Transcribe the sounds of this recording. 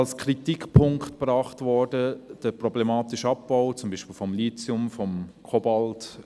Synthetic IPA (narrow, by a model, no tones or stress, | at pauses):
ɑlskʰɾitikpʰʊŋktpɾɑːχtvɔɾdəd̥əprɔblɛmɑːtɪʃɑpːaʊt͡sʊmbiːʃpiːlfɔmliːt͡sʊmfɔmkʰɔbɑlt